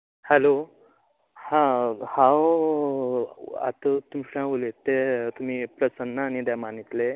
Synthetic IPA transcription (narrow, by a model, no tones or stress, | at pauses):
hɛlo | hãhãw | a̰t̪ət̪umɕãʋulet̪et̪um̤iːpɾəsənːəːñid̪amanit̪le